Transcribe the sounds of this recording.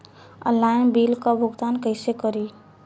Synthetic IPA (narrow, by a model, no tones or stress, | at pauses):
ə̰lajnbilkabʱuɡt̪ankəɪsekəɾi